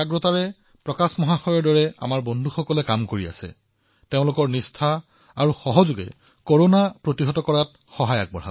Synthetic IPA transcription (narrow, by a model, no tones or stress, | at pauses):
aɡɹotaɹɛ | pɹɔkasmɔɦaxɔjɔɹdɔɹɛa̰maɹbɔndʱuxɔkɔlɛkamkoɹia̰sɛ̰ | teʊ̃lʊkɔɹnistʰa | aɹuxɔɦɔzʊɡɛ̰ | koɹonapɹotiɦɔtɔkɔɹat̚ | xɔɦaja̰k̚bɔ̰ɹɦa̰